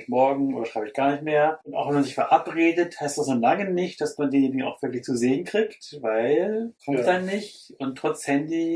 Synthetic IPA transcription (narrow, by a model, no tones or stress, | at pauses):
ɪçmɔɐɡŋ̩ʔo̰ːdɐʃʁ̥aɪbəɪçɡ̥aːɐnɪçtmeːɐʔʊntʔa̰ʊxv̥ɛnmanzɪçfɛɐʔapʁeːdəthaɪstd̥asnoːnlaŋənɪçt̚d̥asmandeːnjeːnɪɡŋ̩a̰ʊxv̥ɪɐklɪçt͡suzeːənkʁ̥iːktvaɪlkʰɔmtd̥anːɪçtʊntʰːʁ̥ɔt͡shɛndi